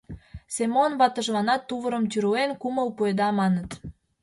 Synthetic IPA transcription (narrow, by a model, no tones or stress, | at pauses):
semonbɑt̪ə̆ʒlɑnɑt̪ːuβəɾə̆mt̪yɾuenkuməlpued̪ɑmɑnət̪